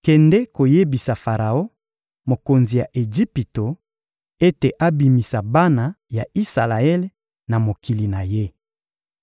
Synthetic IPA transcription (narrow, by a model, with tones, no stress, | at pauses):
kɛ˨ndɛ˦ko˨je˦bi˨sa˨fa˨ʁa˨o˦ | mo˨ko˨nzi˨ja˨ʔe˨ʒi˦pi˨to˨ | e˦te˨ʔa˦bi˨mi˨sa˨ba˦na˨ja˨i˦sa̰˨la˨ɛ˦l | na˨mo˨ki˨li˨na˨je˦